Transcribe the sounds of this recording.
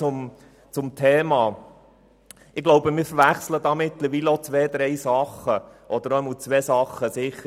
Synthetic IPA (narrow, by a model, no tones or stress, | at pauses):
ʊm | t͡sʊmt̪ʰeːmɑː | ɪɡ̥loʊbəmɪːɾfəɾʋæχsləd̪ɑːmɪt̪ləɾʋiːləɔt͡sʋɛːd̪ɾɛjsɑχːəʔɔd̪əɾœmut͡sʋɛːsɑχːəsɪχə